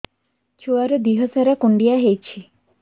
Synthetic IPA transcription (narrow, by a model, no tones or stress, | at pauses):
t͡ɕʰuaɾod̪iɦɔsaɾakuɳɖijaɦejt͡ɕʰi